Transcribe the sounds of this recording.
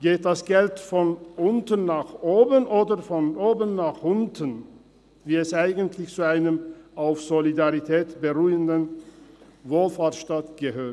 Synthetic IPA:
ɡ̥eːt̚d̥asɡ̥ɛltfɔnʔʊntənːaːχʔoːbənʔoːdɐfɔnʔoːbənːaːχʔʊntʰən | viːɛsʔaɪɡəntʰlɪçt͡suaɪnəmaʊfz̥olidaʁitʰɛːtb̥əʁuːəndən | voːlfaːɐtʃtatɡ̥əɦøːɐt

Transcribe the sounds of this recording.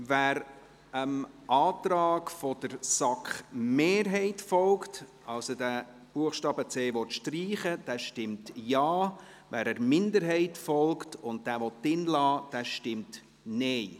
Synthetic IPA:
væɾ | əm | ʔɑːtɾɑːkfɔd̥əɾsɑkχmeːɾɦɛɪtfɔlkt | ɑlsodæ | b̥uəχʃtɑːbət͡seːʋɔt̪ʃtriːχəd̥æːʃtɪmtjɑː | væːɾəɾmɪndəɾɦɛɪtfɔlktʊnd̚d̥æːvɔtːɪnlɑːd̥æːʃtɪmt | nɛɪ

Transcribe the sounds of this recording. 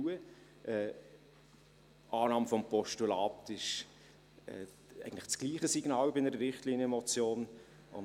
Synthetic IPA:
uə | ʔɛː | ʔɑːnɑːmfɔmpɔʃtulɑːtɪʃ | ɛ̰ː | æ̰ɪɡəntləχt͡sɡ̥liːχəsiɡnɑːwbɪnəɾəɾɪχtliːnəɛmɔt͡sjoːn | ʊ̰n

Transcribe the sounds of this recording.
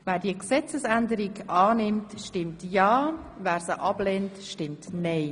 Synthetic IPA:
væːdiəksɛt͡səsændəɾikʔɑːnɪmtʃtɪmtjɑːvæːɾsəʔɑb̥leːntʃtɪmtnɛɪ

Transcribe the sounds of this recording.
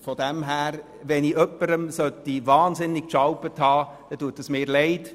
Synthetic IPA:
fɔd̥ɛmɦæːɾ | ʋɛniʔœpːəɾəmsœtːiʋɑːnzɪnːɪk̚ʃɑwpəthɑː | d̥ɛtuːətːəsmɪːɾlɛɪt

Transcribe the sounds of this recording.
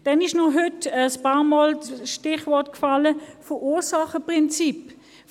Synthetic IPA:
d̥ɛnɪʃnɔɦʏtəspɑːʁmɔːlʃtɪχʋɔɐtkfaləfəʔuːsaχəpʁɪnt͡sip

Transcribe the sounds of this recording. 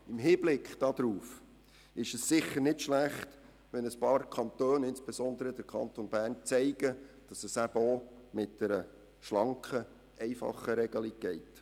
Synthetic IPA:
ɪmɦiːblɪkχd̥ɑːd̪ɾuːf | ɪʃəsːɪχːəɾnɪtʃlæχt | ʋɛnəspɑːrkʰɑnt̪øːnɪnsb̥esɔnd̪əɾəd̥əɾkʰɑ̰nt̪onbæːɾnt͡sɛɪɡ̥əd̥ɑsəsæbəomɪt̚d̥ɛɾə | ʃlɑŋkχə | ʔɛɪfɑ̰χːəɾɛɡ̥əliɡ̚ɡ̥ɛɪt

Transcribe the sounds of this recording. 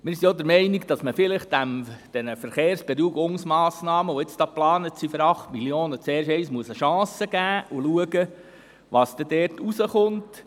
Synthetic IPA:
mɪːɾsiod̪əɾmɛɪnikd̥ɑsməfɪlɪχt̚d̥æmd̥ɛnəfəɾχeːɾsb̥eɾuəɡʊŋsmɑːsnɑːməʋoɪt͡sd̥ɑːplɑːnətsifɔɾɑχtmilioːnət͡seːɾʃɛɪsmuəsəʃɑ̃ːsəɡæːuluəɡə | ʋɑsd̥̪ɛd̥ɛːrtusəχʊnt

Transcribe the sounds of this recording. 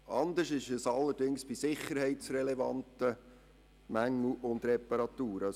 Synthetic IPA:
ɑnd̪əʃɪʃəsɑlːəɾd̥ɪŋsb̥isɪχːəɾhɛɪtsɾɛlɛvɑ̰nt̪ə | mæŋːl̩ʔʊnd̪ɾɛpɑɾɑt̪uːɾɑ

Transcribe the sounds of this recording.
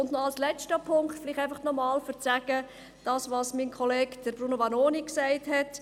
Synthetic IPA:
ʊndnɔɑlslɛt͡ʃtəpʰʊŋktfɪliχtæɪfɑχnɔmɑːlfəɾt͡sæɡə | d̥ɑːsʋɑːsminkʰχɔleːkd̥əɾbɾunovɑnoːniksæɪthɛt

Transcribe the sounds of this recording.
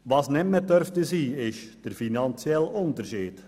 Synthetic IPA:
ʋɑsnɛmmɛdørftəziːɪʃd̥ərfinɑnsjɛlɔndərʃiːt

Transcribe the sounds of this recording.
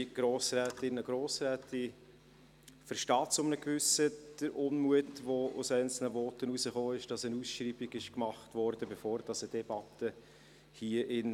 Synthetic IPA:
ɡ̥ɾoːsrɛːtɪnəɡɾoːsɾɛːtʰɪ | fəɾʃtɑːtsʊmnəkvʏsəd̥əɾʔʊnmuətʋoʊ̰sɛɪnt͡sl̩nəvɔːtənusəχoːɪʃd̥ɑsənusʃriːbiɡɪʃkmɑχtʋɔɾd̥əbefoːɾd̥ɑsəd̥ɛb̥ɑtə | hiəʔɪn

